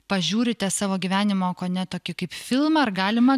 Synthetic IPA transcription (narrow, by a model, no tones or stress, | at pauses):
pɐʒʲuːɾʲɪt̪ʲɛsɑːʋoːɡʲiʋʲæːnʲɪmoːkoːnʲɛt̪oːkʲɪkɐɪpfʲɪlˠmɐɐɾɡɑːlʲɪmɐ